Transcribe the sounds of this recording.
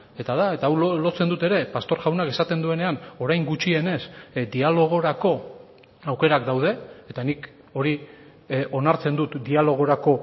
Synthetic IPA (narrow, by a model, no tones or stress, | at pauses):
e̞t̪aðae̞t̪awlo̞t͡se̞nd̪ut̪e̞ɾe̞past̪o̞ɾʝawnakesat̪e̞nd̪ue̞ne̞ano̞ɾajŋɡut͡ʃie̞ne̞sd̪ialo̞ɣ̞o̞ɾako̞ | awke̞ɾakd̪awð̞e̞ːt̪anik | o̞ɾi | o̞naɾt͡se̞nd̪ut̪d̪ialo̞ɣ̞o̞ɾako̞